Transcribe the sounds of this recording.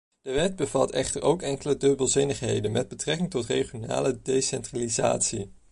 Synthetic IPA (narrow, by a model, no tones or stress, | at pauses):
d̥əʋɛd̚bəvɑtʰɛχtəɹʔowkɛŋkələdɵbəlˠzɪnəχɦḛjdənmɛd̚bətrɛkɪŋtɔtreχijona̰ːlədejsɛntraliza̰ːtsi